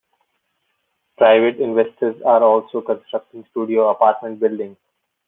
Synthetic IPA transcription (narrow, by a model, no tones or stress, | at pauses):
pɾaɪʋeʈɪ̃nʋesʈəɾzaːɾɔːlsoːkə̃nsʈɾʌk̚ʈɪ̃ŋsʈuːɖioːɐpaːɾʈmẽɳʈ̚bɪlɖɪ̃ŋɡ